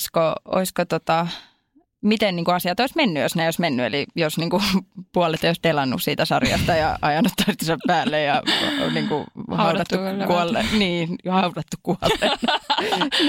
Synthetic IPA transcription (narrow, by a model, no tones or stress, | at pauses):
skoo̰iskot̪ot̪ɑ | mit̪enniːŋkuɑsiɑt̪oismenːyjosneoismenːyḛlijosniːŋkupuɑlet̪eoˑist̪elɑnːṵssiːt̪æsɑrjɑ̰st̪ɑjɑ̰ɑjɑnut̪t̪ːɑst̪isɑppæːlːejjɑniːŋkṵhɑuɑt̪ːukuɑlːeniːhɑurɑt̪ːukkuɑlːeː